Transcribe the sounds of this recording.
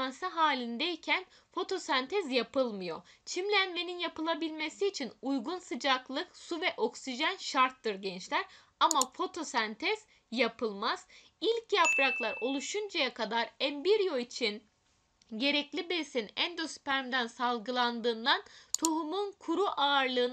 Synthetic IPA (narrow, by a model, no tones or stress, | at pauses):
ansaɦaːlʲind̪ɛicʰæn | fo̞t̪ʰo̞sant̪ʰɛzjapʰɯlˠmɯjo̞̰t͡ʃʰimlʲænme̞ninjapɯlˠabilʲme̞siːt͡ʃʰinujɡunsɯd͡ʒaklˠɯksuvɛʔo̞ksiʒænʃaɾt̪ːɯɾɟɛnt͡ʃlʲæɾ | amafo̞t̪ʰo̞sant̪ʰɛz̥ | japʰɯlˠmaz̥ | ilʲcjapɾaklˠaɾo̞lˠuʃund͡ʒajakʰad̪aɾænbiɾjo̞it͡ʃʰin | ɟe̞ɾɛclʲibesinænd̪ospæɾmd̪ænsalˠɡɯlˠand̪ɯːnd̪ant̪ʰoɦumunkʰuɾuʔaɯɾlˠɯːn